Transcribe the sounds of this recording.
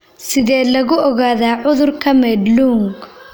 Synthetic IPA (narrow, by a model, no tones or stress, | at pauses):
sɪðɛːlɐɣʊʔɔɣaːðaːʕʊðʊrkʰɐmɛd̪luːŋɡ